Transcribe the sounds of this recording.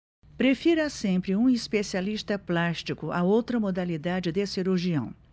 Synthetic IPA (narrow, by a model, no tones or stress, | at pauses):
pɾefiɾɐsẽmpɾɪũispesialist̪ɐplast͡ʃikʊʔaowt̪ɾɐmod̪alid̪ad͡ʒɪd̪esiɾuɾʒiɐ̰̃w̃